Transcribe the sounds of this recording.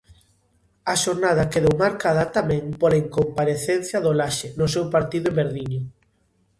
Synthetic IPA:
ɐʃoɾnað̞ɐkeðowmaɾkaðɐt̪amɛ̃ŋpolaiŋkompaɾeθenθjɐðolaʃɪnʊsewpaɾt̪iðʊeβbeɾðiɲʊ

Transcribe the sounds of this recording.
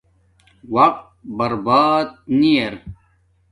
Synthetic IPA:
wɐq̚t̪̚bɐɾbaːt̪̚nieɾ

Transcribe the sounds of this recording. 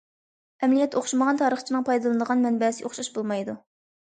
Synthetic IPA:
ɛmlijɛt̪ʰːoχʃiməʁɑnt̪ʰɑːɾəχt͡ʃʰinɨŋpʰɑjd̪ɨlˠɨnd̪əʁɑnmɛnbɛsɪʔoχʃɑʃbolˠmɑjd̪u

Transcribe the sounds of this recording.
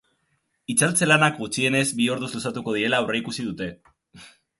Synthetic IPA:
it͡salt͡se̞lanakɡut͡sie̞ne̞zbio̞ɾðuzlusat̪uko̞ð̞iɾe̞laure̞ikusiðut̪e̞

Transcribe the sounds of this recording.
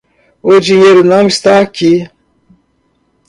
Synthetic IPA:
od͡ʒiɲeɾunamist̪aːki

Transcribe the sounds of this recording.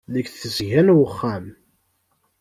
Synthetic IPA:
ləkθəzʝænwəχːæm

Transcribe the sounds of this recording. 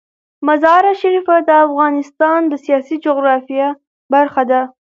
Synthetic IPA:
mazɑɾaʃaɾifad̪əafɣɑnɪst̪ɑnd̪əsijɑsid͡ʒoɣɾɑfija | baɾxad̪a

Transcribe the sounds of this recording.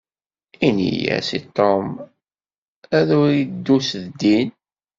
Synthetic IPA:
inḭjæ̰sit̪ˤːom | æðʊɾid̪ːusðd̪ːin

